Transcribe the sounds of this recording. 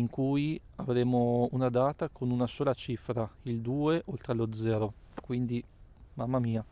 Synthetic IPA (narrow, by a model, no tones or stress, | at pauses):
iŋkujavɾeːmounad̪aːt̪akʰonunasoːlat͡ʃifɾaild̪uːeʔolt̪ɾelod̪zːɛːɾo | kwind̪i | mamːamiːa